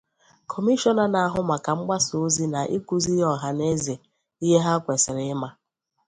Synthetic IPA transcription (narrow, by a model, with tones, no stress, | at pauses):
kʰɔ˨mi˦ʃɔ˦na˨na˨a˨ɦʊ˦ma˨ka˨ŋ͡m̩˦ɡ͡ba˦so˦zi˦na˨ʔi˦ku˦zi˦jɔ˨ɦa˦ne˦ze˨ | i˦ɦe˦ɦa˦kʷe˨sɪ˨ɾɪ˨˦ɪ˦ma˦